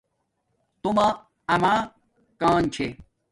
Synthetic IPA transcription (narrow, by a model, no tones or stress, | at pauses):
t̪uma | ɐma | kaːnt͡ɕʰe